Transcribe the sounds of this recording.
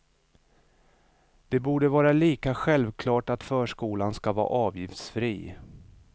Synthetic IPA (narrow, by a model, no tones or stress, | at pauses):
d̪̥ɛbuːɖəvɑːɾaliːkaɧɛlvkʰlɑːʈat̪fœːʂkuːlanskavɑ̰ːʔɑːvjɪft̪sfɾiː